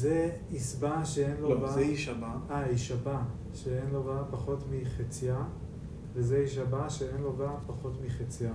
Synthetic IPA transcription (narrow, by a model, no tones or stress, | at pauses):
ze | isbaʃeenlovaeiʃabaaiʃaba | ʃeenloɡapaχo̞tmiχet͡sija | vezeiʃ̬abaʃeenlo̞ɡapaχo̞tmiχet͡sija